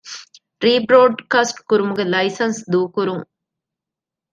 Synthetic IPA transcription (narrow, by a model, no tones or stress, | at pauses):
ɾiːbɾoːɖkaːsʈkʊɾɯmʊɡɐlɐɪsɐnsd̪uːkʊɾũ